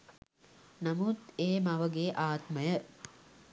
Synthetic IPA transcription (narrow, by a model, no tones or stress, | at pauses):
namut̪eːmaʋəɡeːʔaːt̪məjə